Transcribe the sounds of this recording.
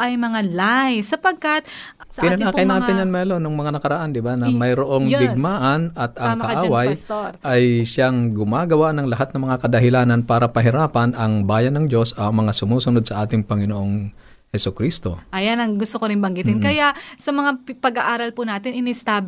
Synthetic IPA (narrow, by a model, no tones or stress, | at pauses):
ʔɐjmɐŋalajsɐpɐɡ̚kɐt̪̚sɐʔɪnɐlaːkɐjnaːɪnjanmɐɐlonoŋmɐŋanɐkɐɾɐʔand̪ɪbanɐmɐjɾoʔo̞ŋɡ̪ɪɡ̚maːʔɐnɐt̪̚ɐŋkɐʔaːwajsoɾʔɐjʃaŋɡʊmaːɡɐwanɐŋlɐɦat̪̚nɐmɐŋakɐd̪ɐɦɪlaːnɐnpaːɾɐpɐɦɪɾaːpɐnɐŋbaːjɐnːɐŋd͡ʒo̞sɐmɐŋasʊmuːsʊnod̪̚sɐʔaːt̪ɪŋpɐŋɪnoʔo̞ŋ | hɛsʊkɾist̪o̞ʔɐjanɐŋɡʊst̪okoɾɪnbɐŋɡɪt̪ɪnkɐjaʔsɐmɐŋapɐɡaʔaːɾɐlpʊnaːt̪ɪnɪnɪst̪aːb